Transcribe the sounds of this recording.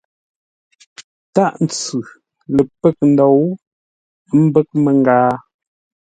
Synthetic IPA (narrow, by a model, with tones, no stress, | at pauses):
ta˦˨ʔn˨t͡sʉ˨ | lə˨pə˦˨k̚n̩˨dɔ˨w | m̩˦bə˦k̚me˨ŋ˨ɡaː˦